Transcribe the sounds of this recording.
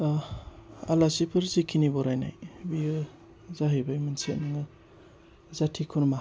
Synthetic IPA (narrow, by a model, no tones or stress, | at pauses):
a̰lasipʰɯɾzikʰinibɔɾajna̰jbiɯ | zaɦibajmanset̚nɯŋɯ | zatʰikʰuɾma